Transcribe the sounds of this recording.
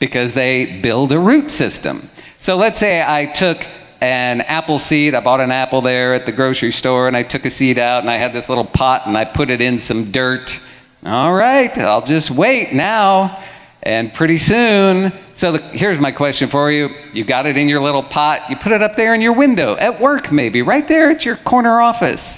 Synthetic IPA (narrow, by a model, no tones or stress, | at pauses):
b̥ɨkʰʌzðeɪbɪlˠdəɹʉtsɪstə̰̃m | soʊlɨtseɪaɪtʰʊk | ɨ̃næpl̩ˠsiɾaɪbɔɾɨ̃næpl̩ˠðə˞ɨt̪̚ðɨɡɹoʊsə˞istɔɹɨ̃naɪtʰʊkɨsiɾaʊɾɨ̃naɪɨd̪̚ðɪslɪɾl̩ˠpʰɑɾə̃naɪpʰʊɾɨɾɪ̃nsʌ̃mdɜ˞t | ɔlˠɹaɪta̰ɪlˠd͡ʒʌst̚weɪtⁿnaʊ | ʔɨ̃npʰɹ̥ɪɾisʉ̃nsoʊðɨhɪɹzmaɪkʰw̥ɛst͡ʃɨ̃nfə˞jʉ | jɨɡɑɾɨɾɨ̃njə˞lɪɾl̩ˠpʰɑt͡ʃjɨpʰʊɾɨɾʌp̚ðə˞ɨ̃njə˞wɪ̃ndoʊʔɨt̚wɜ˞kmeɪbiɹaɪt̪̚ðə˞ɨt͡ʃə˞kʰɔɹnə˞ɔfɨ̰s